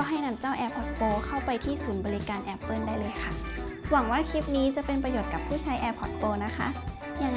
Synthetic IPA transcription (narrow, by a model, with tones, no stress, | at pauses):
ɦa˥˩jna˧˩mt͡ɕaː˥˩wʔɛː˧pʰɔ˨˩t̪̚poː˧kʰa˥˩wpa˧jt̪ʰiː˥˩suː˩˦nbɔː˧li˦kaː˧nʔɛ˦˧˥pːɤː˥˩ndaː˥˩jlɤː˧jkʰa˥˩wa˩˦ŋwaː˥˩kʰi˦˥p̚niː˦˥t͡ɕa˨˩˦pe˧npɾa˧joː˨˩t̪̚ka˨˩pʰːuː˥˩t͡ɕʰa˦˥jʔɛː˧pʰɔ˨˩t̪̚poː˧na˦˥kʰa˦˥ʔ | ja˧ŋː